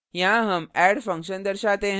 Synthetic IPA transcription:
jãɦəmæɽfə̃ŋkɕənd̪əɾɕat̪ẽɦ

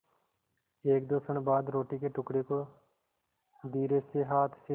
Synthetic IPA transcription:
eːk̚d̪oːsəɳbaːd̪ɾoːʈiːkeːʈʊkɽeːkoː | d̪iːɾeːseːɦaːt̪ʰse

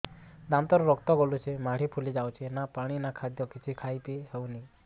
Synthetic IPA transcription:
d̪ant̪ɔɾɔɾɔkt̪ɔɡɔlut͡ʃʰemaɽ̤ipʰulid͡ʒawt͡ʃʰenapaɽ̃inakʰad̪jɔkit͡ʃʰikʰajpiɦewni

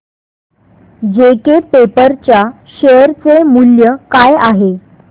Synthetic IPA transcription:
d͡ʑekepepəɾt͡ɕja | ɕeəɾt͡semuljəkajaɦe

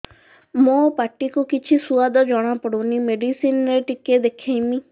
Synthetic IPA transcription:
mõpaʈikukit͡ʃʰisuad̪ɔd͡ʒɔɽ̃apɔɽunimeɖisinɾeʈiked̪ekʰejmi

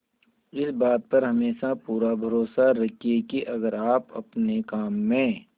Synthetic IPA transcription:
ɪsbaːt̪̚pɐɾɦɐmeːʃapuːɾabʱɐɾoːsaɾɐkʰiekiʔɐɡəɾaːpɐ̰pnekaːmːẽ

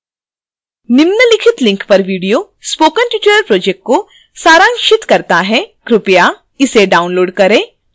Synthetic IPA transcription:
nɪmnəlɪkʰɪt̪lɪ̃ŋkpɐɾʋiːɖijoː | spoːkənʈuʈɾəɾpɾoːd͡ʒɛk̚ʈ̚ko | saːɾãːŋʃɪt̪kɐɾt̪aɦɛkɾʊpja | ɪseɖaːʊ̃nloːɖkɐɾẽː

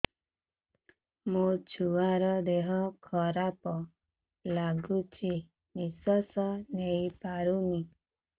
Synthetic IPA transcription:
mut͡ʃʰuaɾɔd̪eɦɔkʰɔɾapɔ | laɡut͡ʃʰi | nisɔsɔnejpaɾuni

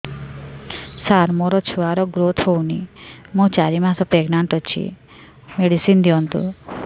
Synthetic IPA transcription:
saɾmoɾɔt͡ʃʰuaɾɔɡɾot̪ʰɦownimũt͡ʃaɾimãsɔpeɡnaɳʈɔt͡ʃʰḭ | meɽisind̪iɔnt̪ṵ

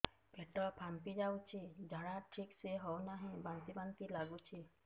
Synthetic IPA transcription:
bʱeʈɔpʰampid͡ʒawt͡ʃʰid͡ʒʱaɽaʈʰikseɦɔwnaɦĩbant̪ibant̪ilaɡut͡ʃʰi

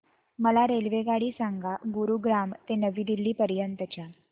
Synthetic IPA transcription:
məlaɾelʋeɡaɽiːsaŋɡaɡuɾuɡɾamt̪enəʋiːd̪ilːiːpəɾjənt̪ət͡ɕja

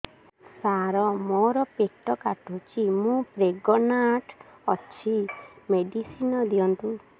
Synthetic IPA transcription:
saɾɔmɔɾɔpek̚ʈɔkaʈot͡ʃʰimũpɾeɡɔnaʈɔt͡ʃʰimeɖisinɔd̪iɔnt̪u

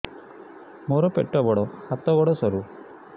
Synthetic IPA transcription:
moɾɔpeʈːɔbɔɽɔhat̪ɔbɔɽɔsɔɾu

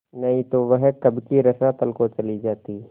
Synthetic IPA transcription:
nɐɦĩt̪oʋəɦkɐbkiɾɐsat̪ɐlkot͡ʃɐlid͡ʒaːt̪iː

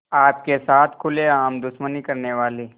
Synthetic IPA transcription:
aːp̚kesaːt̪ʰkʰʊleaːmd̪ʊʃmənikɐɾneʋaːliː

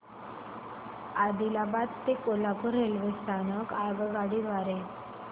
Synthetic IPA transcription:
ad̪ilabat̪ːekolakuɾelʋest̪ʰanəkaɡɡaɽiːʋaɾe

